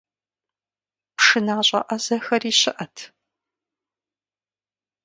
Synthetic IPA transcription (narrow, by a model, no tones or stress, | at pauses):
pʂɨnaːɕʼɐ̰ʔɐzɐxɐriːɕɪʔɐtʰ